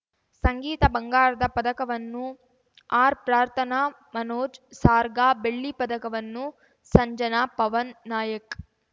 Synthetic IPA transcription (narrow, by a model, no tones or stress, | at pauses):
sɐŋɡiːt̪ɐbɐŋɡaːɾɐd̪ɐpɐd̪ɐkɐʋɐnːu | aːɾpɾaːɾt̪ʰɐnaː | mɐnoːd͡ʒsaːɾɡaːbeɭːipɐd̪ɐkɐʋɐnːu | sɐɲd͡ʒɐnaːpɐʋɐnːaːjɐk